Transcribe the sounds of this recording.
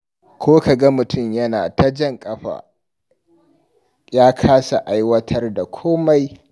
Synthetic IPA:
kʷʰoː˦ka˨ɡa˦mʊ˨tʰʊ˦˨mjɐ˦naː˨ta˦d͡ʒɐ˦˨ŋkʼɐ˦ɸa̰ː˨ | jaː˦kʰaː˦sa˨ʔa˦jwɐ˦tʰɐ˦rda˨kʷʰoː˦ma˦j

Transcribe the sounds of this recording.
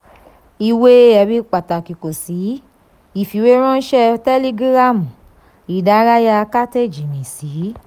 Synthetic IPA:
i˧we˦ɛ˧bi˦k͡pa˨ta˨ki˨ko˨si˨˦ | i˨fi˨we˦ɾ̃ɔ̃˦n̩˦ʃɛ˦tɛ˦li˦ɡɾa˦˨mu˨ | i˨da˨˦ɾa˦ja˧ka˦te˦˨d͡ʒi˨mĩ˨si˨˦

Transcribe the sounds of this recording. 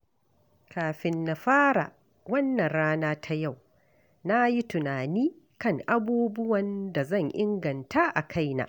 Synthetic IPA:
kaː˨ɸɪ˦nːa˨ɸaː˦ɽa̰˨ | wɐ˦nːɐ˨ɽaː˦naː˦tʰa˦ja˦˨w | na˦ji˦tʊ˨naː˨niː˦ | kɐ˦˨ŋʔa˦buː˦bʊ˦wɐ˨nda˨zɐ˦˨ŋʔɪ˦ŋɡɐ˨nta˦ʔa˨kʰa˦jna̰ː˨ʔ

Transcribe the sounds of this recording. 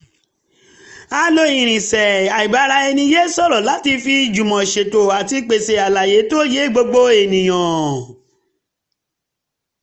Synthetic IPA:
a˧˦lo˧˦ĩ˨ɾ̃ĩ˨sɛ˨a˨i˨ba˨˦ɾa˧˦ɛ˧nĩ˧˦je˦sɔ˦˨ɾɔ˨la˨˦ti˧fi˧d͡ʒu˨mɔ̃˨ʃe˨to˨a˨ti˧k͡pe˨se˨a˨la˨je˨˦to˦˨je˨˦˨ɡ͡bo˧ɡ͡bo˦e˨nĩ˨j̃ɔ̃˨

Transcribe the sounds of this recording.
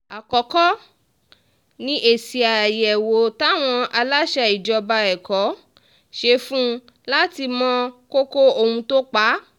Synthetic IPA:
a˨kɔ˨kɔ˦ | nĩ˧ʔe˦˨si˨a˨jɛ˨wo˨˦ta˦˨w̃ɔ̃˧ʔa˧la˦ʃɛ˧i˨d͡ʒɔ˧ba˧ɛ˨kɔ˨˦ | ʃe˧˦fũ˦ | la˦ti˧mɔ̃˧˦ko˦ko˦o˧˨hũ˧to˦k͡pa˨˦

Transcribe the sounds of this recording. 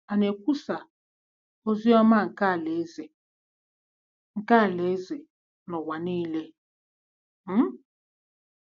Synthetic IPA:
a˨ne˨k̚ʷu˦sa˨ | o˦zi˦ɔ˦ma˦˨ŋ̩˨ka˦˨le˨˦ze˨ | ŋ̩˨ka˦˨le˨˦ze˨ | nɔ˨wa˨niː˦le˦

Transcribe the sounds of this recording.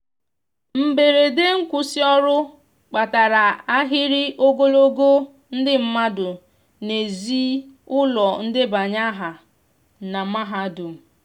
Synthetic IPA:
m̩˦be˨ɾe˨de˦ŋ̩˦kʷʊ˦sɪ˦ɔ˦ɾʊ˦ | k͡pa˨ta˨ɾa˨a˦ɦɪ˦ɾɪ˦ʔo˦ɡo˦lo˦ɡo˦ | n̩˦dɪ˦m̩˦ma˦dʊ˨ | ne˨zi˦ʊ˦lɔ˨n̩˦dɪ˦ba˨ɲa˦ɦa˨ | na˨˦ma˦ɦa˨˦dʊ˨m̩˨

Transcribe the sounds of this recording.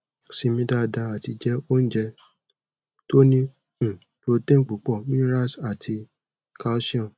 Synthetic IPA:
si˧mĩ˧˦da˦˧da˧a˨ti˧d͡ʒɛ˦o˦n̩˦d͡ʒɛ˧ | to˦nĩ˦˨ | ɾo˧te˦˨k͡pu˨˦k͡pɔ˦˨mĩ˦ɾa˦sa˨tʰi˧ | ka˧˦ʃi˦ɔ̃˦˨

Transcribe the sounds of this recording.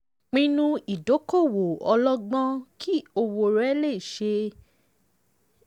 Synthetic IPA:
k͡pĩ˧nũ˧i˨do˨˦ko˦˨wo˨ɔ˧lɔ˦ɡ͡bɔ̃˦kʰi˦o˧wo˧ɾɛ˨˦le˦˨i˨ʃe˧

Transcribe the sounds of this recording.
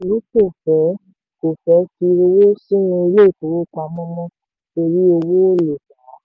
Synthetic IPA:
lu˦to˦˨fɛ˨˦ | ko˨fɛ˨˦ti˧ɾo˧wo˦si˦nĩ˧i˧le˦˨ko˨wo˦kʷa˧mɔ̃˦mɔ̃˦ | to˧ɾi˦o˧wo˦o˦le˨ka˨˦

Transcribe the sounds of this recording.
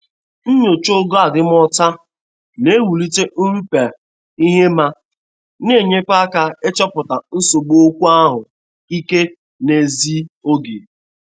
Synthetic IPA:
n̩˦ɲo˨t͡ʃo˦ɡo˦a˨dɪ˦m˦ɔ˦ta˦ | ne˦wu˨li˦te˦n̩˦ɾu˦pe˨ | i˦ɦe˦ma˦ | ne˦˨ɲe˦k͡pa˦ka˦e˦t͡ʃɔ˦pʊ˨ta˨n̩˦so˨ɡ͡bo˦kʷu˦a˦ɦʊ˨ | i˦ke˦ | ne˨zi˦o˦ɡe˨

